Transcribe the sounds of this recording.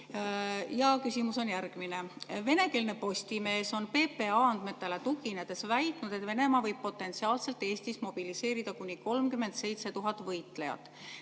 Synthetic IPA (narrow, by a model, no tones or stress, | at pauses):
jɑkysʲimuso̞njæɾɡ̥mineve̞ne̞ke̞lne̞po̞sʲt̪ime̞ːso̞npe̞ːpe̞ɑɑnd̪̥me̞t̪ːˑe̞le̞t̪uɡine̞d̪̥e̞svæjt̪ˑnud̪̥e̞t̪ve̞ne̞mɑvɤjb̥̚po̞t̪ːˑe̞nt̪siɑːlse̞lt̪ːˑe̞ːst̪ismo̞b̥ilise̞ːɾid̪̥ɑkunʲːiko̞lmkyme̞nd̪se̞jt̪se̞t̪uɦɑt̪ːˑvɤjt̪ˑlejɑ̰t̪ːˑ